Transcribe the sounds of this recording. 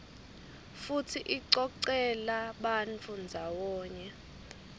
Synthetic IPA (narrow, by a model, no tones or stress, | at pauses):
futʰiʔiǀɔǀɛlaɓant͡fʰʼund͡zʱawɔːɲɛ